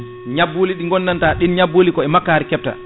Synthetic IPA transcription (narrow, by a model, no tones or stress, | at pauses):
ɲabːoːliɗiŋɡɔnːantaɗinɲaboːlikɔɛmakːaːɾɛkɛp̚ta̰